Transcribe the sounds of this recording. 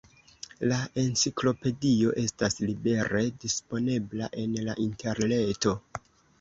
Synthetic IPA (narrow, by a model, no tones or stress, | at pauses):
lae̞nsiklo̞pe̞dio̞ʔe̞staslibe̞ɾedispo̞ne̞blaʔe̞nlaʔinte̞ɾne̞to̞